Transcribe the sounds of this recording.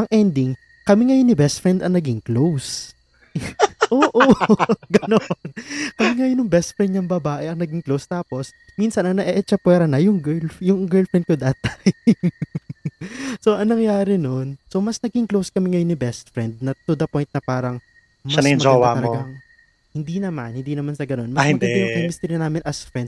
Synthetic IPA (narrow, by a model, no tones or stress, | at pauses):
ʔɐŋʔɛnd̪ɪŋ | kɐmɪŋɐjonːɪbɛst̪̚fɹɛnd̪ɐŋnɐɡiŋklows | ʔoːʔoɡɐnonkɐmɪŋɐjonʊŋbɛst̪fɾɛnd̪ɲɐŋbɐbaːʔɛʔɐŋnɐɡiŋklowst̪aːpo̞s | minsɐnɐŋnɐʔɛʔɛt͡ʃɐpwɛːɾɐnɐjʊŋɡɛljʊŋɡɛɹlfɹɛnd̪̚kod̪aːt̪ɐj | so̞ʔɐŋnɐŋjaːɾɪno̞nsomɐsnɐɡɪŋklowskɐmɪŋɐjonɪbɛst̪̚fɾɛnd̪̚nɐt̪ʊd̪ɐpojnt̪̚nɐpaːɾɐŋ | mʃɐɐsɐɪnɐd͡ʒowaɐlɐoɡɐŋ | hɪnd̪inɐmanhɪnd̪iːnɐmansɐɡɐno̞nmɐhɪd̪ɛɪjɐpimɪst̪ɛɾjɐnaːmɪnʔɐsfɹɛnd̪